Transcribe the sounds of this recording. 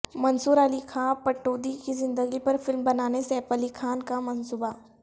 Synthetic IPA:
mɐnsuːɾalikʰaːpɐʈːoːd̪ikizɪ̃nd̪əɡipɐɾfɪlmbɐnaːneseːpəlikʰaːnkamɐnsuːba

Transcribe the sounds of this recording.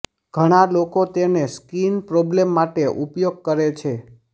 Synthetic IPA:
ɡ̥ʱəɽ̃alokot̪eneskinpɾɔblemːaʈeʔupjoɡ̚kəɾet͡ʃʰe

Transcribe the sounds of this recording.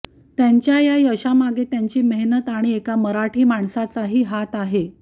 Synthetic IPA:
t̪jaɲt͡ɕjajajəɕamaɡet̪jaɲt͡ɕiːmeɦnət̪aɽ̃iekaməɾaʈʰiːmaɳsat͡saɦiːɦat̪aɦe

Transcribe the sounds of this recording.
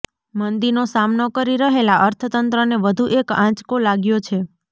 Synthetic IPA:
mənd̪inosamnokəɾiɾəɦelaʔəɾt̪ʰət̪ənt̪ɾəneʋəd̪ʱuʔekãt͡ʃkolaɡjot͡ʃʰe

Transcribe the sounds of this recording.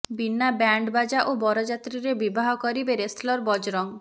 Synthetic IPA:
binːabaɳɖbad͡ʒaʔobɔɾɔd͡ʒat̪ɾiɾebibaɦɔkɔɾibeɾeslɔɾbɔd͡ʒɾɔŋ

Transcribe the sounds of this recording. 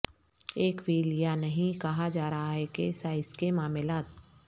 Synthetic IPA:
eːkʋiːlijanɐɦĩkɐɦad͡ʒaːɾɐɦaɦɛkesaːɪskemaːmɪlaːt̪

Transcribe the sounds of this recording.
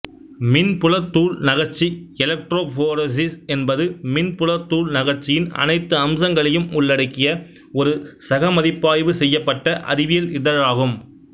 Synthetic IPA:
mɪnpʊlɐt̪ːuːlnɐɣɐɾt͡ʃːiɛlɐk̚ʈɾoːfoːɾɐs̬ɪsɛnbɐðɯmɪnpʊlɐt̪ːuːlnɐɣɐɾt͡ʃːɪjɪnɐ̰nɐɪt̪ːɯɐmsɐŋɡɐɭɐjɯmʊɭːɐɽɐkːɪjɐ | ɔɾɯsɐɣɐmɐðɪpːaːjʋɯsɛjːɐpːɐʈːɐʔɐ̰ɾɪʋɪjɐlɪðɐɾaːɣɯm

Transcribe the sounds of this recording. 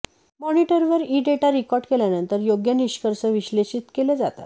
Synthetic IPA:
mɔniʈəɾʋəɾiɖeʈaɾikɔɾɖkeljanənt̪əɾjoɡjəniɕkəɾsəʋiɕleɕiːt̪keled͡zat̪a̰t̪

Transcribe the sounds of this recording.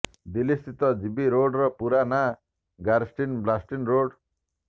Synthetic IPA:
d̪ilist̪ʰit̪ʌd͡zibiɾoɖrʌpuɾana | ɡaɾsʈinblasʈinroɽ

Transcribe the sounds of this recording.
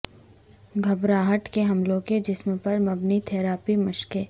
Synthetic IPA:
ɡʱɐbɾaːɦəʈkeɦɐmlõked͡ʒɪsmpɐɾmɐbnit̪ʰɛːɾaːpimɐʃke

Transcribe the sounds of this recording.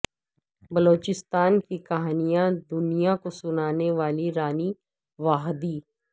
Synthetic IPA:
bɐloːt͡ʃɪst̪aːnkikɐɦaːnijãd̪ʊnijakosʊnaːneʋaːliɾaːni | ʋaːɦd̪iː

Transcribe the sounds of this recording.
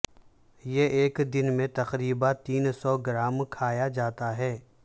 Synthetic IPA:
jeʔeːkd̪ɪnmẽt̪ɐqɾiːbat̪iːnsɔːɡɪɾaːmkʰaːjad͡ʒaːt̪aɦɛː

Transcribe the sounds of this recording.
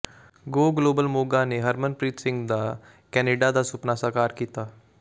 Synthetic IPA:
ɡoːɡloːbəlmoːɡaːneːɦəɾmənpɾiːt̪sɪ̃ŋɡd̪aː | kɛːneːɖaːd̪aːsʊpnaːsaːkaːɾkiːt̪aː

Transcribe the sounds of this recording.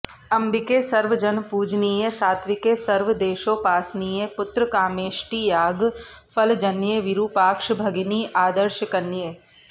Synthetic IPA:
ɐmbikeːsɐɾʋəd͡ʒɐnpuːd͡ʒniːjesaːt̪ʰʋɪkeːsɐɾʋəd̪eːʃoːpaːsniːjepʊt̪ɾəkaːmeːʃʈiːjaːɡ | fʰəld͡ʒɐnjeʋiɾuːpaːkʃbʱɐɡiniːʔaːd̪əɾʃəkɐnːjeː

